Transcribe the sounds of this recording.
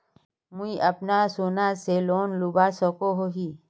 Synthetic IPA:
mʊiʔəpnaːsoːnaseloːnlubaːsɔkoɦoːɦiː

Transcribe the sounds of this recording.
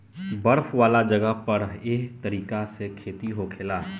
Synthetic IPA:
bɐɾfʰʋaːlad͡ʒɐɡəɦpɐɾeːkt̪ɐɾiːkasekʰeːt̪iɦokʰɪlaː

